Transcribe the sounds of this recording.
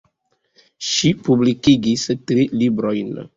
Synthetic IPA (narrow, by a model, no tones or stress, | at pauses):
ʃipublikiɡistɾilibɾojn